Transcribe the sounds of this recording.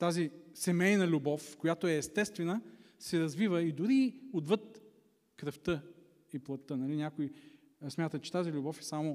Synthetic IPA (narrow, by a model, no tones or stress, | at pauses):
t̪azisɛmɛjnɐlʲubɔfkojat̪oɛːst̪ɛst̪vɛnə | sɛɾɐzvivəid̪ʊɾiod̪vɤt̪ | kɾəft̪ɤ | iplˠɐt̪ːənɐlinʲjakoi | smʲjat̪ət̪t͡ʃɛ̥t̪azilʲubɔfɛ̥samo